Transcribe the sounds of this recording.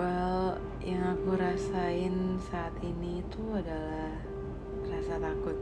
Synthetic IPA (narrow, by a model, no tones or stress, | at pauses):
al | jaŋakuɾasaɪnsaːt̪init̪uadalah | rasat̪akʊt̪̚